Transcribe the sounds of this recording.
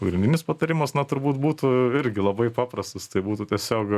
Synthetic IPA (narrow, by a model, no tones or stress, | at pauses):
pɐɡɾʲɪnʲdʲɪnʲɪspɐt̪ɐɾʲɪmɐsnɐt̪ʊɾbuːt̪buːt̪ʊɪɾʲɡʲɪlˠɐbɐɪpɑːprɐst̪ost̪ɐɪbuːt̪ut̪ʲɛsʲoːk